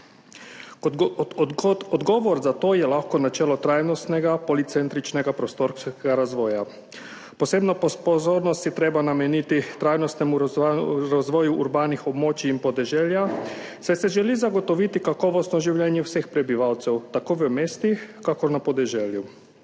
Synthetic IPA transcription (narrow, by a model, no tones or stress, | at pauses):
k̪ɔd̪ot̪ɔd̪ɡɔːʋɔɾzat̪oːjɛlaxkɔnat͡ʃɛːlɔt̪ɾajnɔst̪nɛɡapɔlit̪sɛnt̪ɾit͡ʃnɛɡapɾɔst̪oɾsɛɡaɾazʋɔːja | pɔseːbnɔppɔzoːɾnɔst̪jɛt̪ɾeːbanamɛnit̪it̪ɾajnɔst̪nɛmuɾazʋɔːjuʔuɾbaːnixɔbmoːt͡ʃiːnpɔd̪ɛʒɛːljasɛsɛʒɛlizaɡɔt̪ɔʋit̪ikakɔːʋɔst̪nɔʒiwʎjɛnjɛwsexpɾɛbiʋawt̪sɛwt̪akoːʋəmeːst̪ixkakɔɾnapɔd̪ɛʒɛːlju